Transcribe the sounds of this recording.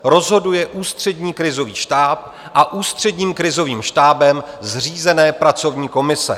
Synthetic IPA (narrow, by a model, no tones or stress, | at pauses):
ɾo̞zɦo̞dujɛʔuːst̪r̝̥ɛdɲiːkɾɪzo̞viːʃt̪aːp̚ | ʔaʔuːst̪r̝̥ɛdɲiːmkɾɪzo̞viːmʃt̪aːbɛmzr̝iːzɛnɛːpɾat͡so̞vɲiːko̞mɪsɛ̰